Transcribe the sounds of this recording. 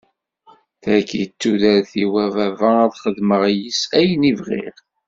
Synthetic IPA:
θækjət͡sːuðæɾθiwævævææðχəðməʁjisæjnivʁḭʁ

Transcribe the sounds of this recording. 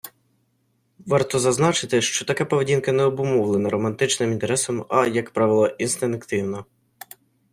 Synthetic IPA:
ʋɑrt̪ɔzɐznɑt͡ʃɪt̪ɪʃt͡ʃɔt̪ɐkɛpɔʋedʲinkɐnɛɔbʊmɔwlˠenɐɾɔmɐnt̪ɪt͡ʃnɪmint̪eɾɛsɔmɐjɐkpɾɑʋɪlˠɔʔinst̪enekt̪ɪwnɐ

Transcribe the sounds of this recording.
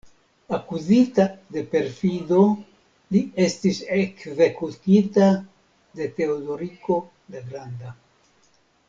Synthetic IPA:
akuzitade̞pe̞ɾfido̞ | lie̞stisekze̞kutita | de̞te̞odo̞ɾiko̞ | deɡɾanda

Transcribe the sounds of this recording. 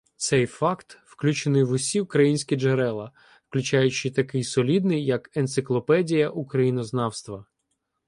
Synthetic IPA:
t̪sɛjfɑkt̪wklʲut͡ʃenɪjʋʊsʲiʊkɾɐjinʲsʲkʲid͡ʒeɾɛlˠɐ | fklʲʉt͡ʃajʊt͡ʃɪt̪ɐkɪjsɔlʲid̪nɪjːɐkent̪sɪklˠɔpɛdʲijɐʔukɾɐjinɔznɑwst̪ʋɐ

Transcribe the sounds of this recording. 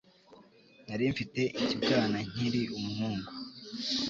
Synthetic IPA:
naɾiɱfite̞ʔicibɡaːnaɲ̥iɾiʔumuɦuːŋɡu

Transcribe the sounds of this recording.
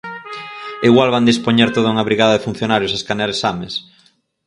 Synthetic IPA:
iɣwalβand̪ispoɲeɾt̪oðauŋaβɾiɣaðɐðefun̟θjonaɾjosaskanaɾesames

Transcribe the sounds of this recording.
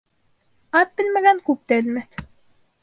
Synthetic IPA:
ɑt̪̚bɘ̆lmæɡæŋkʉp̚t̪æɘ̆lmæθ

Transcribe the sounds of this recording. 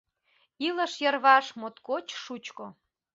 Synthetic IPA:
iləʃjərβɑʃmot̪kot͡ɕʃut͡ɕko

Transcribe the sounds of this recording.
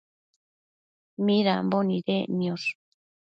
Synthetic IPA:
mĩɾamboniɾenĩoɾ

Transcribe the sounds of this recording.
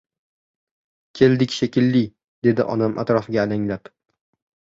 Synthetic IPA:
kʲʰe̞ld̪ɪkʲʃekʲʰɪlːɪ | d̪e̞d̪ɪʔɒ̰namʔa̰t̪ɾɒfɪɡʲaːlaŋlap

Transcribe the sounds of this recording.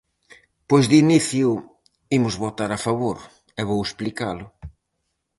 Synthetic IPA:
pojzd̪iniθjʊ | imʊzβot̪aɾafaβoɾ | ɛβowesplikalʊ

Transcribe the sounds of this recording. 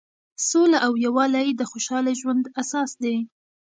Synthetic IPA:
solaʔawjawɑlajid̪əxoʃɑlaʒwand̪asɑsd̪e

